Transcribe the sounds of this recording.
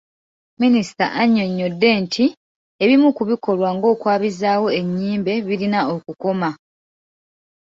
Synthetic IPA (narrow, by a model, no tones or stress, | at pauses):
minisi̥ta̰ʔaɲːo̞ɲːo̞dːe̞ːntʰi | eβimukuβiko̞lwaŋɡo̞ːkwaːβizaːwo̞e̞ɲːiːmbe̞βiɾinao̞kuko̞ma